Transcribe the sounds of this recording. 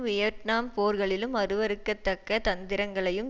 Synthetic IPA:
mɪjɐʈnaːmpoːɾɣɐɭɪlɯmɐɾɯʋɐɾɯkːɐt̪ːɐkːɐt̪ɐnd̪ɪɾɐŋɡɐɭɐjɯm

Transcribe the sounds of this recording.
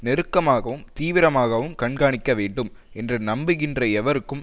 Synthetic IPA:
nɛɾɯkːɐmaːɣɐʋɯmt̪iːʋɪɾɐmaːɣɐʋɯmkɐɳɡaːɳɪkːɐʋeːɳɖɯm | ʔɛndrɐnɐmbɪɣɪndrɐɛʋɐɾɯkːɯm

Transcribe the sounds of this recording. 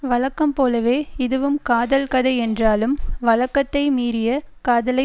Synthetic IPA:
ʋɐlɐkːɐmpoːlɐʋeːɪðɯʋɯmkaːðɐlkɐðɐɪɛndraːlɯmʋɐlɐkːɐt̪ːɐɪmiːrɪjɐkaːðɐlɐ

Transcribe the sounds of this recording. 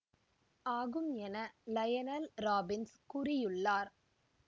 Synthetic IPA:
aːɣɯmɛnɐlɐjɐnɐlɾaːbɪnskʊrɪjɯɭːaːɾ

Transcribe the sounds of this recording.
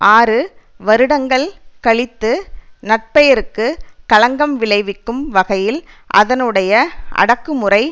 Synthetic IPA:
ʔaːɾɯ | ʋɐɾɯɽɐŋɡɐɭkɐɭɪt̪ːɯnɐʈ̚pɐjɐɾɯkːɯkɐɭɐŋɡɐmʋɪɭɐɪʋɪkːɯmʋɐɣɐjɪl | ʔɐ̰ðɐnɯɽɐjɐʔɐ̰ɽɐkːɯmɯrɐɪ

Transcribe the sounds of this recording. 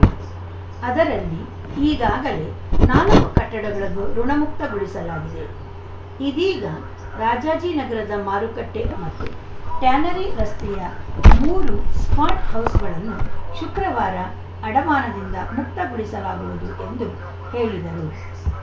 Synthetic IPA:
ɐd̪ɐɾɐlːi | iːɡaːɡɐle̞ | naːnukɐʈːɐɽɐɡɐɭɐɡuɾuɳɐmukt̪ɐɡuɭisɐlaːɡid̪e̞̰ | id̪iːɡɐ | ɾaːd͡ʒaːd͡ʒiːnɐɡɐɾɐd̪ɐmaːɾukɐʈːe̞mɐt̪ːu | ʈjaːnɐɾiɾɐst̪ɛjɐmuːɾusmaːɾʈhɐwsɡɐɭɐnːuʃukɾɐʋaːɾɐː | ɽɐmaːnɐd̪ind̪ɐmuk̚t̪ɐɡuɭisɐlaːɡuʋud̪uʔe̞nd̪u | he̞ːɭid̪ɐɾu

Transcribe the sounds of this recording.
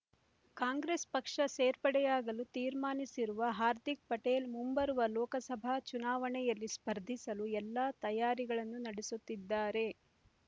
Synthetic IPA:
kaːŋɡɾespɐkʂɐseːɾpɐɽɛjaːɡɐlut̪iːɾmaːnisiɾuʋɐɦaːɾd̪ʱik̚pɐʈeːlmumbɐɾuʋɐlɔːkɐsɐbʱat͡ʃunaːʋɐɳɛjɐlːispɐɾd̪ʱisɐluɛlːat̪ɐjaːɾiɡɐɭɐnːunɐɽesut̪ːid̪ːaːɾe̞

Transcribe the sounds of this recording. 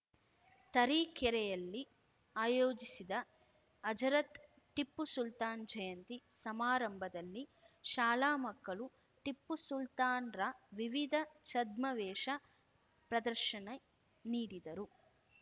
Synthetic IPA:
t̪ɐɾiːkɛɾɛjɐlːi | aːjoːd͡ʒisid̪ɐː | d͡ʒɐɾɐt̪ | ʈipːusult̪aːnd͡ʒɐjɐnt̪isɐmaːɾɐmbʱɐd̪ɐlːi | ʃaːlaːmɐkːɐɭu | ʈipːusult̪aːnɾaːʋiʋid̪ʱɐt͡ʃɐd̪mɐʋɛːʃɐ | pɾɐd̪ɐɾʃɐnɐ | niːɽid̪ɐɾu

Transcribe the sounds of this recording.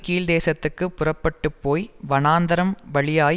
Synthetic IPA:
kiːld̪eːsɐt̪ːɯkːɯpːʊrɐpːɐʈːɯpːoːjʋɐnaːnd̪ɐɾɐmʋɐɭɪjaː

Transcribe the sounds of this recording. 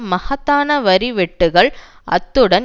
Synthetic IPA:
mɐhɐt̪ːaːnɐʋɐɾiʋɛʈːɯɣɐɭ | ʔɐ̰t̪ːɯɽɐn

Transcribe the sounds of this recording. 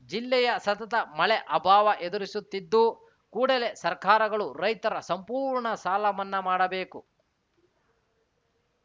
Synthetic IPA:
d͡ʒilːɛjɐsɐt̪ɐt̪ɐmɐɭɛʔɐbʱaːʋɐʔed̪uɾisut̪ːid̪ːu | kuːɽɐle̞sɐɾkaːɾɐɡɐɭuɾɐjt̪ɐɾɐsɐmpuːɾɳɐsaːlɐmɐnːɐmaːɽɐbe̞ːku

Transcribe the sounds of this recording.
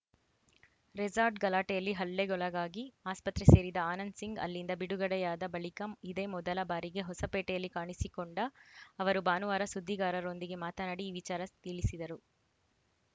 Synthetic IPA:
ɾɛd͡ʒaːɾɖɡɐlaːʈɛjɐlːiɦɐlːeɡɔɭɐɡaːɡiaːspɐt̪ɾese̞ːɾid̪ɐaːnɐnɖsiŋɡɐ̰lːind̪ɐbiɽuɡɐɽɛjaːd̪ɐbɐɭikɐid̪e̞ːmɔd̪ɐlɐbaːɾiɡe̞ɦɔsɐpɛːʈɛjɐlːikaːɳisikoɳɖɐːʋɐɾubaːnuʋaːɾɐsud̪ʱːiɡaːɾɐɾo̞nd̪iɡe̞maːt̪ɐnaːɽiːʋit͡ʃaːɾɐst̪iɭisid̪ɐɾu

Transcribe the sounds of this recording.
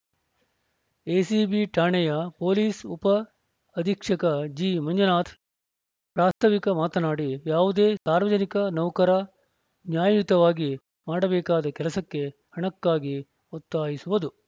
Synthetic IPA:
eːsibiʈaːɳɛjɐpoːliːsupɐː | d̪ʱikʂɐkɐd͡ʒiːmɐɲd͡ʒɐnaːt̪ʰ | pɾaːst̪ʰɐʋikɐmaːt̪ɐnaːɽijaːʋud̪eːsaːɾʋɐd͡ʒɐnikɐnɐwkɐɾɐ | njaːjjut̪ɐʋaːɡi | maːɽɐbɛːkaːd̪ɐkɛlɐsɐkːe̞ | hɐɳɐkːaːɡi | ot̪ːaːjisuʋɐd̪u

